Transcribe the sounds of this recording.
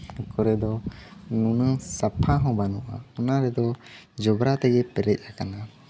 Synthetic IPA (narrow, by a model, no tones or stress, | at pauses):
ɛkɔɾɛd̪ɔnunəsapʰaɦɔ̃banuʔa̰ɔnaɾɛd̪ɔ | d͡ʒɔbɾat̪ɛɡɛpɛɾɛc̪̚ˀakana